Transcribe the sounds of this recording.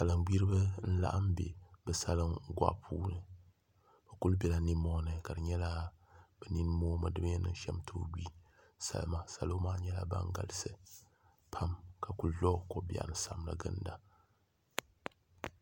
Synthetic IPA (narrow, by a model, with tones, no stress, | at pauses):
sa˨lɨ˨ŋɡ͡bi˦ɾɨ˦bɨ˦n̩˦la̰˦ʔa˦m˦bḛ˨bɨ˨sa˦lɨ˦m˦ɡʷa̰˦ʔpʰuː˦nɨ˨ | ba˨ku˦lbɛ˦la˨ni˦mɔ˦nɨ˨ka˨dɨ˨ɲɛ˦la˦b̥ɛ˨ni˦nɨ˦moː˦mɨ˨dɨ˦bɲɛ˦nɨ̰˦n˦ʃɛ̰˦mtʰoː˦ɡʷi˦ | sa̰˨lma˦sa˨loː˦maː˦ɲɛ˦la̰˦ba̰˦ŋ˦ɡa̰˨lɨ˦sɨ˨ | pʰa˦mka˨ku˦llɔ˦˨ko˨bi˨a̰˨nɨ˨sa˨mla̰˨ɡɨ̰˦n˦da˦